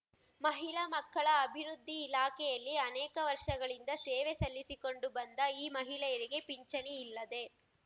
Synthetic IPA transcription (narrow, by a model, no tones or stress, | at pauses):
mɐɦiɭɐmɐkːɐɭɐːbʱiɾud̪ʱːiːlaːkɛjɐlːiɐnɛːkɐʋɐɾʂɐɡɐɭind̪ɐseːʋesɐlːisiko̞ɳɖubɐnd̪ɐiːmɐɦiɭɛjɐɾiɡe̞piɲt͡ʃɐniilːɐd̪e̞